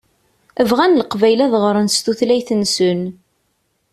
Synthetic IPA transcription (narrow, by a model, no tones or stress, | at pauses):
əvʁænləqvæjlæðʁɾˤənst̪uθlæjθənsən